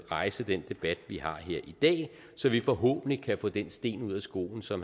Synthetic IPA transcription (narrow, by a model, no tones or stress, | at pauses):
ʁɑ̈ɪsəd̥end̥e̝b̥æd̥ʋihɑ̈ɦe̝ɐ̰ʔid̥ɛ̰ː | sɒ̽ʋifɒ̽ɦɔ̰̽ːb̥n̩likʰæfɔ̰̽ːd̥ensd̥e̝̰ːnuð̞̰ˠæsɡ̥o̝̰ːln̩sɒ̽m